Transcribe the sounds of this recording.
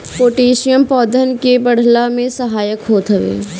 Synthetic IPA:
poːʈeːʃijəmpɔːd̪ʱənkebɐɽ̤lamẽsɐɦaːjəkɦoːt̪ɦəʋḛː

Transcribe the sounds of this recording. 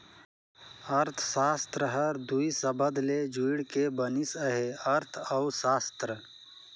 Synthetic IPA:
ɐɾt̪ʰsaːst̪ɾəɦəɾd̪uisəbəd̪led͡ʒuːɽkebənisəɦeɐɾt̪ʰɐwsaːst̪ɾə

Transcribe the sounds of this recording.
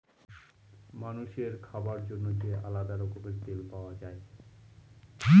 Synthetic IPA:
manuʃeɾkʰabaɾd͡ʑonːod͡ʑeʔalad̪aɾokomeɾt̪elpaoad͡ʑae

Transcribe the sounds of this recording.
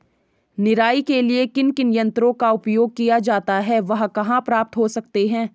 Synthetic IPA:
nɪɾaːikeliekɪnkɪnjɐ̃nt̪ɾõkaʊpjoːɡ̚kijad͡ʒaːt̪aɦɛʋɐɦkɐɦãpɾaːp̚t̪ɦosɐk̚t̪eɦɛ̃ː

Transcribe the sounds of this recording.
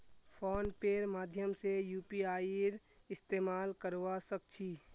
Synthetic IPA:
pʰoːnpeːɾmaːd̪ʱjəmsejuːpiaːɾ | ɪst̪eːmaːlkəɾʋasək̚t͡ʃʰiː

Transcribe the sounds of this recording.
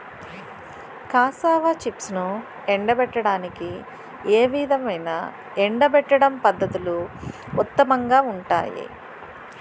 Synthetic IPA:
kaːsaːʋaːt͡ʃipsnu | eɳɖɐbɛʈːɐɽaːniki | eːʋid̪ʱɐmɐjnɐ̰ | eɳɖɐbɛʈːɐɽɐmpɐd̪ːɐt̪ulu | ut̪ːɐmɐŋɡaːuɳʈa̰ːjḭ

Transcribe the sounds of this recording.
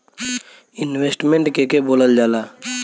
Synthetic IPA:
ɪnweːsʈmẽɳʈkekeboːləld͡ʒaːlaː

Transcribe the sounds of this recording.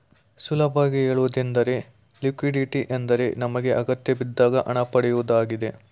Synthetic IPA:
sulɐbaːɡiɦeːɭuːd̪ind̪ɐɾe̞ | likʋiɖiʈiʔend̪ɐɾe̞nɐmɐɡe̞ʔɐɡɐt̪jɐbid̪ːaːɡɐʔɐɳɐpɐɽɛjuʋd̪aːɡid̪e̞

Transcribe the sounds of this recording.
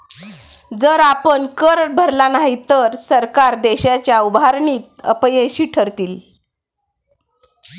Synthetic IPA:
d͡zəɾapənkəɾ̚bʱəɾlanaɦit̪əɾsəɾkaɾd̪eɕat͡ɕjaubʱaɾɳiːt̪̚ə̰pjeɕiːʈʰəɾt̪iːl

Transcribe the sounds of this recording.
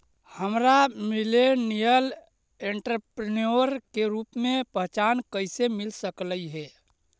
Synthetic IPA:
həmɾamilenijəl | eɳʈɾəpɾinoɾkeɾupmepəɦt͡ʃankəɪsemilsəkləiɦɛ

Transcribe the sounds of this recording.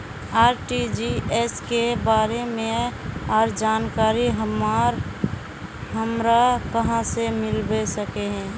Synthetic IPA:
aːɾʈid͡ʒiɛskebaːɾemẽɔːɾd͡ʒaːnkaːɾiɦmaɾ | ɦəmɾakəɦãsemɪlbesəkeɦɛ̃ː

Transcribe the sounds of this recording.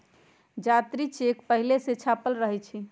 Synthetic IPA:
d͡ʒat̪ɾit͡ʃekpəɦileset͡ʃʰapəlɾəɦɛt͡ʃʰi

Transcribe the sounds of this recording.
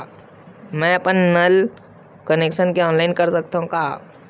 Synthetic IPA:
mɛ̃ɐpənːəl | kəneːkʃənkeɔːnlaɪnkɐɾsɐk̚t̪aɦũkaː

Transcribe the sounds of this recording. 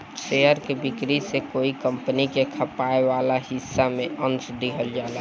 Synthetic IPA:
ʃeəɾkebɪkɾisekoːikəmpənikekʰəpaeʋalahɪsːamẽʔə̃nt͡ʃd̪iɦəld͡ʒala

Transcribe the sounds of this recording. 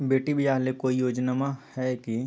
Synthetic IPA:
beːʈibʱiaːɦlekoːijoːd͡ʒnamahɛki

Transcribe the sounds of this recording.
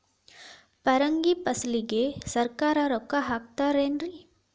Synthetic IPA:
pɐɾɐŋɡipɐsliɡesɐɾkaːɾaɾokaɦaːkt̪aːɾeːnɾi

